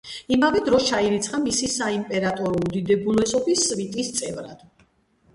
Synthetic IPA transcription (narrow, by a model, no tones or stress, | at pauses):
imavɛd̪ɾɔst͡ʃʰaiɾit̪sʰχamisisaimpʼɛɾat̪ʼɔɾɔud̪id̪ɛbulˠɛsɔbisːvit̪ʼist̪sʼɛvɾa̰d̪̥